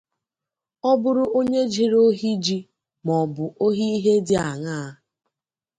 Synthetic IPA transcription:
ɔ˦bʊ˦ɾʊ˦ʔo˦ɲe˦d͡ʒi˨ɾo˦ɦi˦d͡ʒi˦ | mɔ˨bʊ˨ʔo˦ɦi˦i˦ɦe˦dɪ˦a˨ŋa˦a˦

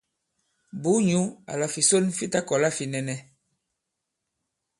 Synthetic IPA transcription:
bu˨˦ɲu˦a̰˨la˨fi˨so˦nfi˦ta˦kɔ˨la˦fi˨nɛ˨nɛ˦

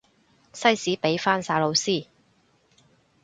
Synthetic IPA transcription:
sɐ˥jsiː˨˥pe˨˥jfaː˥nsaː˨˧lo˨˧wsiː˥˩

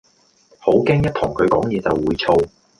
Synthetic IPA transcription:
ho˨˥wkɛː˥ŋjɐ˥t̚t̪ʰʊ˨˩ŋkʰɵ˨˧ɥkɔː˨˥ŋjɛː˨˧t͡sɐ˨wːuː˨˧jt͡sʰo˧w

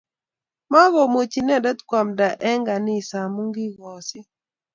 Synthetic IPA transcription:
ma˦ɣɔ˨mo˨t͡ʃi˨nɛ˦˨dɛ˦t̪kwa˨mda˨ʔɛ˦ŋɡa˨nɪ˦˨sa˨mu˦ŋɡi˦ɡɔ˨sɪ˦

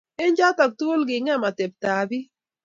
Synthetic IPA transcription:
ɪ˦ɲd͡ʒa˦tɔ˨k̚tu˦o˦lɡɪ˨ŋɛ˦ma˨te˨p̚ta˨bi˦

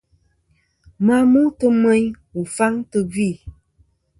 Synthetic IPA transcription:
ma˦mu˦tə˦mɛ˦ɲ | u˨fa˦ŋtə˦vi˦˨

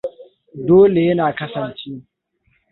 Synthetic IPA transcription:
doː˦le˨jɐ˦naː˨kɐ˦sɐ˨nt͡ʃeː˦

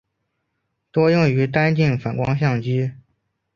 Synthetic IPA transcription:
t̪wɔ˥jʊ˥˩ŋy˧˥t̪a˥nt͡ɕi˥˩ŋfa˨˩nkwɑ˥ŋɕjɑ˥˩ŋt͡ɕi˥

